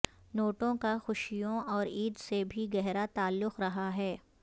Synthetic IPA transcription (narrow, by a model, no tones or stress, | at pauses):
noːʈõkaxʊʃijõɔːɾiːd̪sebʱiɡɛɦɾat̪aːlːʊqɾɐɦaɦɛː